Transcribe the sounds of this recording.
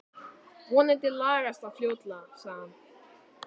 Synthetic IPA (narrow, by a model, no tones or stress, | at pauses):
vɔnɪt̪ɪlaːɾast̪aðfljoːwt̪lasaːɣan